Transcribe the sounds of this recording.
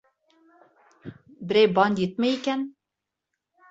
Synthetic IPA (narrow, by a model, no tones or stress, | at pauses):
bɨɾeːbɑːnd̪it̪̚mɛjikɛn